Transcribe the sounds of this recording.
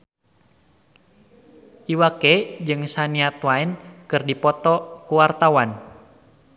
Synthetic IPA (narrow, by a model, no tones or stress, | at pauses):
ʔiwakɛd͡ʒɨŋsaniat̪waɛnkɨrdipɔt̪ɔkuwart̪awan